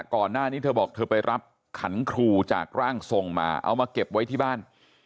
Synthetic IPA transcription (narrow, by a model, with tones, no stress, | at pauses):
kɔː˨˩nːaː˥˩niː˦˥˩t̪ʰɤː˧bɔː˨˩k̚t̪ʰɤː˧pa˧jɾʔa˦˥p̚ | kʰa˩˦nkʰɾuː˧t͡ɕa̰ː˨˩k̚ɾaː˥˩ŋso˨˧ŋma̰ː˧ʔa̰˧wmaː˧ke˨˩p̚wa˦˥jt̪ʰiː˥˩baː˥˩n